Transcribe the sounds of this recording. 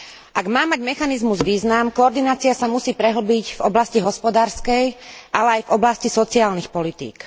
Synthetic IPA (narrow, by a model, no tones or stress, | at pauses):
ʔaɡmaːmaɟmɛxanizmuzʋiːznamkɔɔɾd̪inaːt͡siasamusiːpɾɛɦl̩biɟvɔblasciɦɔspɔd̪aːɾskɛjʔalɛajvɔblascisɔt͡siaːlnixpɔlit̪ḭːk